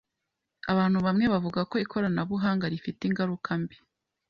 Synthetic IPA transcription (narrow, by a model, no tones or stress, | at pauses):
aβaːn̥huβamŋe̞βavuɡako̞ikʰo̞ɾanaβuɦaːŋɡaɾifiteiŋɡaɾukʰambi̥